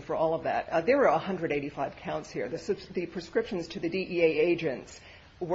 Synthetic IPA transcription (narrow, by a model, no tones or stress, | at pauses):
fə˞ɔlˠʌvðæ̰t̪̚ðə˞wə˞əhʌ̃ndɹɨɾeɪɾifaɪv̥kʰãʊ̃ntshiɹðɨsɨb̥ðɨpʰɹ̥ɨskɹɪpʃɨ̃nz̥tʰɨðɨdiʔieɪeɪd͡ʒɨ̃nts | wə